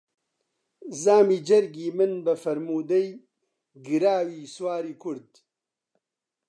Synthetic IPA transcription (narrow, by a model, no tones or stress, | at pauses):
zaːmiːd͡ʒɐɾɡiːmɨnbɐfɐɾmuːd̪ɐj | ɡɨɾaːwiːswaːɾiːkʰʊɾd̪